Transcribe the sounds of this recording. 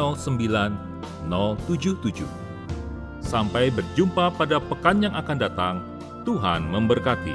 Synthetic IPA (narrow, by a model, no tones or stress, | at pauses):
ɔlsəmbilanː | ɔlt̪ud͡ʒʊht̪ud͡ʒʊ̰h | sampajbərd͡ʒumpapadapəkanjaŋakandat̪aŋ | t̪uɦanməmbərkat̪ḭ